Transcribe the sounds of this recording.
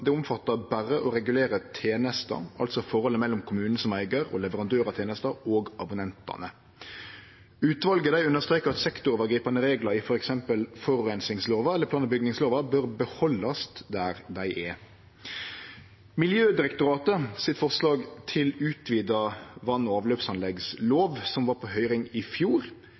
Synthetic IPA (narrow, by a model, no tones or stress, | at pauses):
d̪ɛʊmfɑt̪ːəbærəʔɔɾɛɡʉleːɾət̪ʰeːnəst̪ɑ̰ɑ̰lt̪sɔfɔʁhɔləmɛlːʊmkʰʊmʉːnəsɔmæɪɡəɾɔ̰lɛʋəɾɑnd̪øːɾɑt̪ʰeːnəst̪ɑoːɡɑbʊnɛnt̪ɑ̰nə | ʉːt̪ʋɑlɡəd̪æɪʉnəst̪ɾeːkəɾɑt̪sɛkt̪ʊoːʋəɡɾiːpɑnəɾeːɡlɑɾɪfɔɾɛksɛmpəlfɔɾʉɾɛnsɪŋsloːʋɑɛləpʰlɑːnəbʏɡnɪŋsloːʋɑbøɾbəhɔlːɑsd̪æɾd̪æɪʔɛ | mɪljøːd̪ɪɾɛkt̪ʊɾɑːt̪əsɪt̪fɔʁslɑːɡt̪ʰɪlʉːt̪ʰʋiːd̪ɑʋɑnːɔɑːʋløːpsɑnlɛɡsloːʋsɔmʋɑːɾpʰɔɦœʏɾɪŋɪfjuːɾ